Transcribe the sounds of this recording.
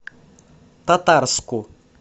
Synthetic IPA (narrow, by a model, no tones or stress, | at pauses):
t̪at̪arskʊ